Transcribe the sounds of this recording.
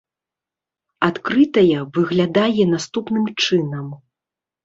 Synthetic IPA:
at̪kɾɨt̪ɐjɐvɨɣlʲad̪ajɛnast̪upnɨmt͡ʂɨnɐm

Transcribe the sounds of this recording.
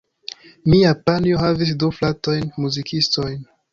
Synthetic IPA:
miapanioɦavis̬duflato̞jnmuzikʰisto̞jn

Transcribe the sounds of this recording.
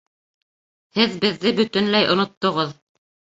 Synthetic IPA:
hɘðbɘ̆ðːɘbɵ̆t̪ɘ̆nlæjʔŏnŏt̪ːŏʁɤð

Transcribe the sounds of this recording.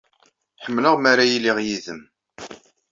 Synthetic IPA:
ħəmːləʁmaɾajilːiʁjiðəm

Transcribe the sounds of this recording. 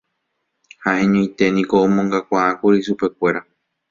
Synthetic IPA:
haʔẽ̞ɲõj̃t̪e̞nĩko̞õmõŋɡakʷaʔãkuɾiʃupe̞kʷe̞ɾa

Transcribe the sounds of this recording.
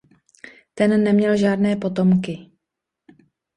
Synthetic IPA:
t̪ɛnːɛmɲɛlʒaːdnɛːpo̞t̪o̞mkɪ

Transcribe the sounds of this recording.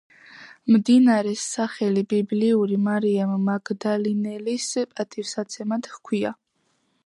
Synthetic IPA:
md̪inaɾɛsaχɛlibibliuɾimaɾiamːaɡd̪alinɛlispʼat̪ʰʼifsat̪sʰɛmat̪hkʰwia̰

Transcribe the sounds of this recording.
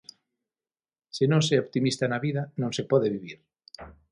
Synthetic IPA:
senõŋseopt̪imist̪anaβiðanõŋsepɔðeβiβiɾ

